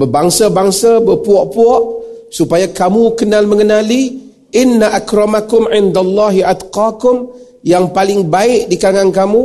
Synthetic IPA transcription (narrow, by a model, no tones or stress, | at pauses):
bəbaŋsabaŋsabəpuɔʔpuɔʔsupajakamukənalməŋənali | ʔɪnːaʔakɾɔmakʊmʕɪnd̪alˤːɑɦiʔad̪qakʊm | jaŋpalɪŋbaɪʔdikaaŋankamũ